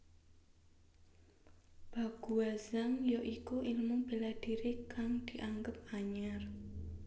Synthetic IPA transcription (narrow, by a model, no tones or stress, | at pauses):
b̥a̤ɡ̥ṳaz̥aŋjɔʔikuʔilmub̥i̤lad̪̥iɾikaŋd̪̥i̤ʔaŋɡəp̚aɲar